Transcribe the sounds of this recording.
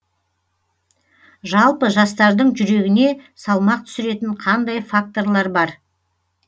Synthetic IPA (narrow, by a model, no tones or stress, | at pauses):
ʒɑlˠpəʒɑst̪ɑɾd̪əɴʒʏɾe̞ɡʲɪne̞sɑlˠmɑq̚t̪ʰʏ̥sɪɾe̞t̪ɪɴqʰɑnd̪ɑjfak̚t̪o̞rlˠɑɾbɑɾ